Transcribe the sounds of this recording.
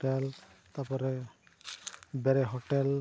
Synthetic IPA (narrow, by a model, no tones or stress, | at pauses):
ɛl | t̪apɔɾɛ | bɛɾɛɦɔʈɛl